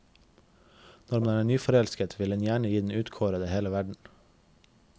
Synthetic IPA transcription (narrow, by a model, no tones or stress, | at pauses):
nɔɾmɑnææːɳyːfɔɾɛlskət̪ʰʋɪlɛnjæːɳəjiːd̪n̩ʉːt̪kʰoːɾəd̪əheːləʋæɖɳ̩